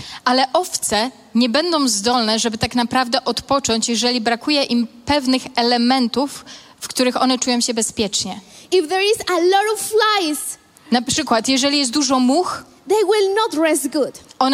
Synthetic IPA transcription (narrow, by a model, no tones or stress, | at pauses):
ʔalɛʔɔft̪sɛ | ɲɛbɛnd̪ɔ̃w̃zd̪ɔlnɛʐɛbɘt̪aknapɾavd̪ɛʔɔt̪pɔt͡ʂɔɲt͡ɕjɛʐɛlʲibɾakujɛʔimpɛvnɘxɛlɛmɛnt̪ufː | kt̪uɾɘxɔ̰nɛt͡ʂujɔ̃w̃ɕɛbɛspʲjɛt͡ʂɲɛifðɛɹizəlɔɾɔvflajs | napʂɘkwat̪jɛʐɛlʲijɛst̪̚d̪uʐɔmux | ðejwɪlnɔtɹɛsɡudʔɔn